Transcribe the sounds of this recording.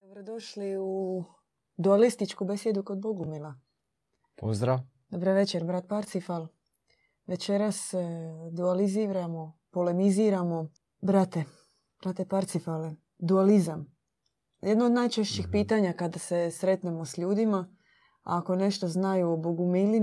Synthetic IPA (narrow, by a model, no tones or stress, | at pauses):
d̪̥obɾod̪o̞ʃliu | d̪ualist̪it͡ʃkubesjed̪uko̞d̪̚boɡumila | pozd̪ɾaʋ | d̪o̞bɾoʋe̞t͡ʃeɾbɾat̪̚paɾt̪sifalˠ | ʋe̞t͡ʃe̞ɾasd̪ualiziɾamo̞pole̞niziɾamo̞ | bɾat̪e | b̥ɾat̪e̞paɾt̪sifale | d̪ualizam | jed̪nood̪najt͡ʃe̞ʃt͡ɕixpiːt̪aɲakad̪ase̞sɾe̞t̪ne̞mo̞sʎuːd̪ima | a̰ːko̞ne̞ʃt̪o̞znajuoboɡumili